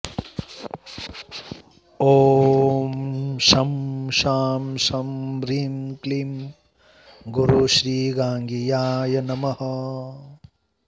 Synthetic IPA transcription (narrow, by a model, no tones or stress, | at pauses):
oːmʃɐmʃaːmʃɐmɾiːmklim | ɡuɾuʃɾiːɡaːŋɡijaːjɐnɐmɐhɐ